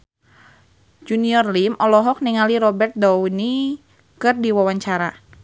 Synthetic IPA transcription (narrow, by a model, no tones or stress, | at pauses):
d͡ʒuniɔrlimʔɔlɔɦɔk̚niŋaliɾɔbɛrt̪̚dɔwni | kɨrdiwawaɲt͡ʃaɾa